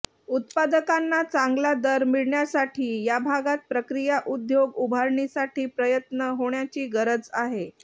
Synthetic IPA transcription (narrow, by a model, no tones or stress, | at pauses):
ut̪pad̪əkanːat͡saŋɡlad̪əɾmiɭɳjasaʈʰiːjabʱaɡat̪̚pɾəkɾijaʔud̪joɡubʱaɾɳisaʈʰiːpɾəjət̪nəɦoɳjat͡ɕiːɡəɾəd͡zaɦe